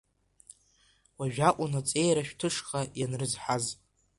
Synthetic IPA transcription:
waʒᶣakʷʼunat͡sʼe̞jɾaʃᶣtʰɨʂχajanrɨzħaz

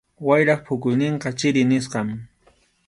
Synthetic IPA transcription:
wajɾɑχpʰʊkʊjnɪɴqɑt͡ʃɪɾɪnɪsqɑm

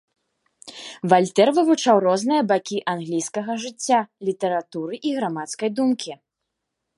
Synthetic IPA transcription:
valʲt̪ɛrvɨvut͡ʂawrɔznɨjɐbakʲiʔanɣlʲijskɐɣɐʐɨt͡sʲːalʲit̪ɐɾat̪uɾɨʔiɣɾamat̪skɐjd̪umkʲʰi

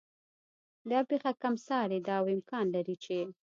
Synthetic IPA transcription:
d̪ɑpexakamsɑɾed̪ɑwɪmkɑnlaɾit͡ʃe

